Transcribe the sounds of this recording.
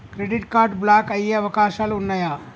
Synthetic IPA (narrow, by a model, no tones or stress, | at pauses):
kɾeɖiʈkaɾɖblakəjjaʋəkasalunːəja